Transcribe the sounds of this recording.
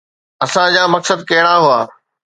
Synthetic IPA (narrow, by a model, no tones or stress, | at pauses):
ɐsãd͡ʑaːmɐksəd̪̚kɐɦɪɽ̃aɦuaː